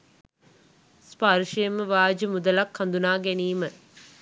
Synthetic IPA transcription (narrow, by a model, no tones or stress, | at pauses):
spaɾʂɐjəməʋaːd͡ʒəmud̪ɐlakhɐnd̪unaːɡæniːmə